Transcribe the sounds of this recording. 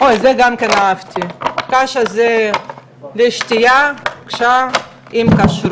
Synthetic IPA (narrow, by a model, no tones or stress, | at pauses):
ʔojzeɡamkenaavt̪ʰikaʃaze | leʃt̪ijakʃa | imkaʃɾ